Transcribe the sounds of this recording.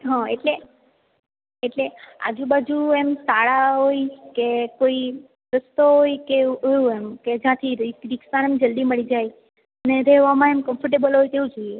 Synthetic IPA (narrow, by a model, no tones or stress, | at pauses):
ɦãeʈle | eʈlea̰d͡ʒũbad͡ʒuemsaɭaɦojkekoi | ɾəst̪oɦojkeɦoũemked͡ʒãt̪ʰiɾɾiksanɛmd͡ʒəld̪iməɭid͡ʒaj | əneɾeʋamãemkəmfʰəɾʈ̬ebəlɦojt̪eʋũd͡ʒoije